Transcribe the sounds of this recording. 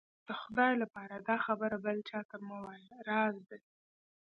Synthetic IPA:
d̪̥əxʊd̪ɑjlapɑɾad̪ɑxabəɾabəlt͡ʃɑt̪əɾmawalɾɑzd̪ə

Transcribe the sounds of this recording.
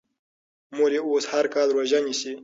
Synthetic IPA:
moɾeoːshaɾkɑːlɾwaʒanisi

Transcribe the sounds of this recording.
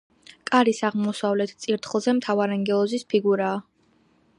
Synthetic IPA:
kʼaɾisaʁmɔsavlɛt̪ʰt̪sʼiɾt̪ʰχlˠzɛmt̪ʰavaɾaŋɡɛlˠɔzispʰiɡuɾaː

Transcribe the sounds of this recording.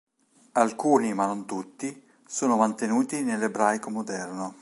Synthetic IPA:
alkuːnimanont̪ut̪ːi | soːnomant̪enuːt̪inelebɾajkomod̪ɛrno

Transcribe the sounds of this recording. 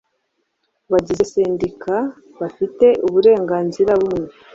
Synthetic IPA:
βaɟizeseːndikʰa | βafite̞ʔuβuɾe̞ːŋɡaːnziɾaβumŋe

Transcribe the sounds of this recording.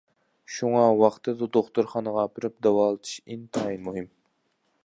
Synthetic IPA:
ʃuŋɑwɑχt̪ʰɨd̪ɨd̪oχt̪uɾχɑnəʁɑpʰɪɾyp̚d̪ɑwɑːlˠɨt̪ʰɨ̥ʃint̪ʰɑjmuɦɨm

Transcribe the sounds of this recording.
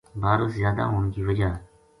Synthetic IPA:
baːɾosjaːd̪a̰ːɦoːnkiːʋəd͡ʒaː

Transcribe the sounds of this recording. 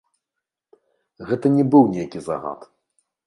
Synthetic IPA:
ɣɛt̪ɐnʲɛbɨwnʲejkʲiza̰ɣa̰t̪

